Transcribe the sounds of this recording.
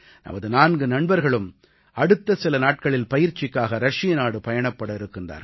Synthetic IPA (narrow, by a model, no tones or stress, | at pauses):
nɐ̰mɐðɯnaːnɡɯnɐɳbɐɾɣɐɭɯm | ɐɽɯt̪ːɐsɪlɐnaːʈ̚kɐɭɪlpɐjɪɾt͡ʃːɪkːaːɣɐɾɐʂɪjɐnaːɽɯpɐjɐɳɐpːɐɽɐɪɾɯkːɯndra̰ːɾɐ